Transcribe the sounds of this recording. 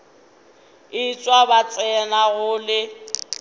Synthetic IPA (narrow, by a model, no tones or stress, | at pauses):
ɪt͡sʼwabat͡sʼɛnaɣʊlɪ